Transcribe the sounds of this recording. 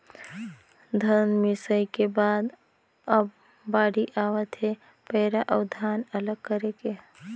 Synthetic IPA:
d̪ʱənmɪsəjkebaːd̪ | əbː | aːɽiʔaːwət̪ɦe | pɛːɾaʔəwd̪ʱaːnələɡ̚kəɾeke

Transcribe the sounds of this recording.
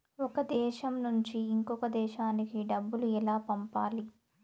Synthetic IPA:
ɔkɐd̪ɛːʃɐmnuɲt͡ʃiːŋkɔkɐd̪ɛːʃaːnikiɖɐbːuluɛlaːpɐmpaːli

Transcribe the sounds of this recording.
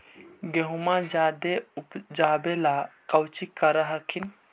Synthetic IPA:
ɡeɦumãd͡ʒaːd̪eupd͡ʒaːbelakɐwt͡ʃikːɐɾaɦɐkʰin

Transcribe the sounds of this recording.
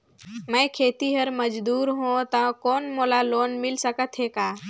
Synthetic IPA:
mə̃ːkʰeːt̪iɦəɾməd͡ʒd̪uːɾɦõt̪ãkoːnmoːlaloːnmɪlsəkət̪ɦeːkaː

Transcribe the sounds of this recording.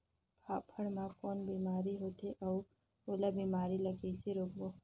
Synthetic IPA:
pʰaːpʰəɽmãkɔːnbiːmaːɾiɦoːt̪eʔɐː | oːlabiːmaːɾilɐɡiseɾoːkboː

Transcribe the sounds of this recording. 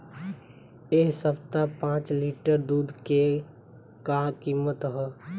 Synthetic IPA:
eɦsəbt̪apãːt͡ʃliʈəɾd̪uːd̪ke | kakiːmət̪ɦɛ

